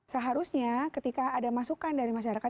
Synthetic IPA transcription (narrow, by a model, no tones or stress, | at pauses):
səɦaɾusɲakət̪ikaːdamasukandaɾimaʃaɾaka